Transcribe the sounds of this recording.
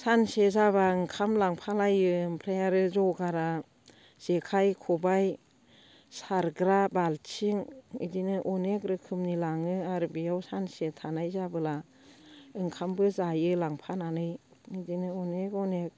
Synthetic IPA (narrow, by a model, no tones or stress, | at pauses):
sansezabaɯŋkʰamlaŋpʰalajɯmpʰɾajaɾɯzɔɡaɾa | z̥ekʰajkʰɔbaj | saɾɡɾabalt͡ʃʰiŋḭdinɯʔɔnekɾɯkʰɯmnilaŋɯaɾbijawsansetʰanajzabɯla | ɯŋkʰambɯzajɯlaŋpʰananɯjŋidinɯɔnekɔnek̚